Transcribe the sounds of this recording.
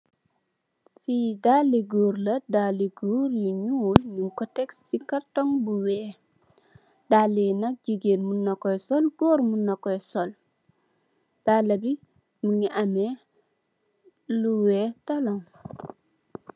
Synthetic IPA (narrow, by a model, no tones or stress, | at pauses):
fiːdalːiɡuːɾlɐdaːlːiɡuɾjiɲuːlmuŋkɔtɛksːikartɔŋbuwɛː | dalːinɐk̚ɟiɡelmunːɐkɔjsɔlɡɔːɾmunːɐkɔjsɔl | d̥aːlːɐbi | muŋiʔamɛ | luwɛːtalɔŋ